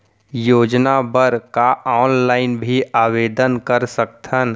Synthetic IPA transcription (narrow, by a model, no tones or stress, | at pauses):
joːd͡ʒnabəɾkaɔːnlaːɪnbʱiaːʋeːd̪ənkəɾsəkt̪ʰən